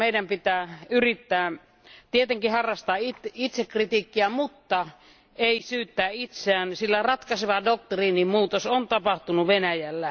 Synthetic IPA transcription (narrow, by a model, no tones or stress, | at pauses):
meˑidæmpit̪æːyrit̪ːæː | t̪iet̪eŋkihɑrːɑst̪ɑːit̪it̪sekrit̪iːkːiæmut̪ːɑ | eisyːt̪ːæːit̪seæːnsilːærɑt̪kɑseʋɑdok̚t̪riːnimmuːt̪osont̪ɑpɑht̪unuʋenæjælːæ